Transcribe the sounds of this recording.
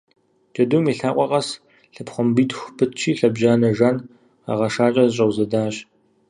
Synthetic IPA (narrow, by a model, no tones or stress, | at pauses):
d͡ʒ̥ɐdumiɬaːqʷʼɔqʼɐs | ɬɨpχʷɔmbiːtxʷpʰɨtt͡ʃʰiːɬɐbʒaːnɐʒɐn | a̰ʁɐʂaːt͡ʃʼɐzɨɕ̬ʼɐwzɐdaːɕ